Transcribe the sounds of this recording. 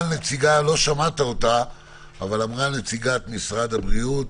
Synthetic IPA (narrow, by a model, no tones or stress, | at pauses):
net͡siɡalo̞ʃamat̪aota | avalamʁanet͡siɡat̪misʁad̪abʁiut